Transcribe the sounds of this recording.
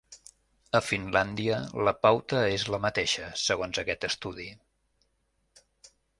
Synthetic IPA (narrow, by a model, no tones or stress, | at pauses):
əfinland̪iələpawt̪əezləmət̪eʃəsəɣonzəkɛt̪əst̪uði